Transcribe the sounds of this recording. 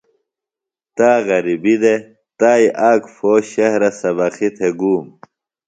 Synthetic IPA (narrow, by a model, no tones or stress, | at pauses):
t̪aːɣɐɾibid̪e | t̪aːjʔaːkfoːɕɐhɾɐsɐbɐxit̪ʰeɡuːm